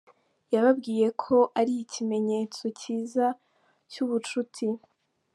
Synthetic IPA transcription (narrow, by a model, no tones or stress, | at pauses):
jaβabɡiːje̞kʰo̞ʔaɾiːcʰime̞ɲe̞ːt͡so̞ciːza | cuβut͡ʃutʰi